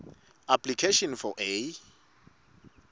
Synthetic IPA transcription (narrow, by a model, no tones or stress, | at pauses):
apʰlikʰeʃɔ̃nfɔʔe